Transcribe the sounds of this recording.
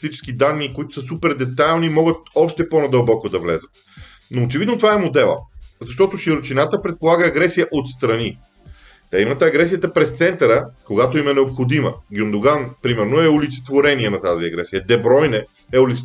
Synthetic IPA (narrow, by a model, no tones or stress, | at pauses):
st̪it͡ʃɛ̥sk̟id̪anːiːkoit̪o̥səsupɛɾd̪ɛt̪ajlˠnimɔɡət̪̚ɔʃt̪ɛponɐd̪əlˠbɔkod̪ɐvlɛ̰zət̪̚ | noːt͡ʃɛvid̪not̪ovaɛmod̪ɛlˠə̰zɐʃt̪ɔt̪oʃiɾot͡ʃinat̪əpɾɛt̪̚polˠaɡəːɡɾɛsijəʔot̪st̪ɾɐni | t̪ɛimɐt̪ɐɡɾɛs̬ijət̪əpɾɛst̪sɛnt̪ɐɾəkoɡat̪oimɛnɛopxod̪imə̰ɡʲiond̪oɡanpɾimɛɾnoɛʊlit̪sɛ̥t̪voɾɛniɛnɐt̪aziɐɡɾɛsijəd̪ɛbɾɔjnɛ | ɛʊlit̪s